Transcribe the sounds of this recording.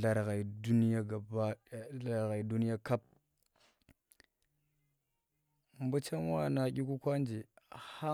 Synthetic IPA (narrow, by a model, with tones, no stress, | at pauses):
a˨ɾɣa˨i˨du˦ni˦ja˦ɡa˨ba˦˨a˦ɾɣa˨i˨du˦ni˦ja˦ka˦p̚ | m˦bu˦t͡ʃa˦m˦wa˦˨na˨ɡʲi˦ku˦kʷa˦nd͡ʒe˨ha˦